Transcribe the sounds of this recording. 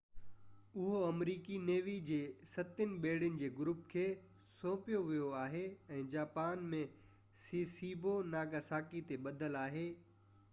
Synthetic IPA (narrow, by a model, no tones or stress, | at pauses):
ʊɦoɐmɾiːkineːʋid͡ʑeːsɐt̪ɪnɪ̆ɓeːɽjənɪ̆d͡ʑeːɡʊɾʊpkʰeː | sõːpijoʋijoaːɦeɛ̃ːd͡ʑaːpaːnmẽ | siːsiːbonaːɡasaːkit̪eɓɐd̪ʱəlaːɦeː